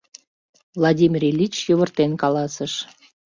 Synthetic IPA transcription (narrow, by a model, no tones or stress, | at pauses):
vlˠɑdʲimʲirʲelʲit͡ɕjoβərt̪enkɑlɑsəʃ